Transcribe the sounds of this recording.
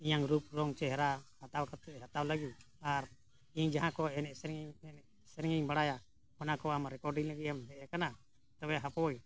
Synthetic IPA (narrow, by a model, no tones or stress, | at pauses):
iɲaŋɾup̚ɾɔŋt͡ʃɛɦɾahat̪awkat̪ɛɦat̪awlaɡi | aɾ | iɲd͡ʒaɦãkɔɛnɛʔsɾŋɛ | sɛɾɛŋiɲbaɽaja | hɔnakɔamɾɛkɔɾɖiŋlaɡiamɦɛʔɛkana | t̪ɔwɛɦapɔwɔj